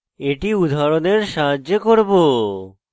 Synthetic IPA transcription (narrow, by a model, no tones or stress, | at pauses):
eʈiud̪ʱaɾoneɾʃaɦaʑekoɾbo